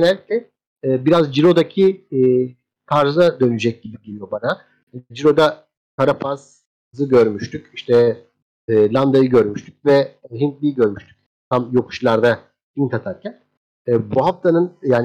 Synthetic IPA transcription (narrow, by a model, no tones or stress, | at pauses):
nɛlʲːiclʲɛː | biɾazd͡ʒiɾo̞d̪acʰiː | t̪ʰaɾzad̪ø̞nyd͡ʒɛc̚ɟibiɟelʲijobana | d͡ʒiɾo̞d̪a | kʰaɾapʰaz̥ | hzɯɟø̞ɾmyʃt̪ʰyciʃt̪ʰɛː | lʲˠand̪ajɯɟøɾmyʃt̪ʰyc̚vɛɦint̪lʲijiɟø̞ɾmyʃt̪ʰy̥c̚ | t̪ʰamjo̞kʰu̥ʃlˠaɾd̪a | int̪ʰat̪ʰaɾcʰæn | ɛːbuɦaft̪ʰanɯnjaːn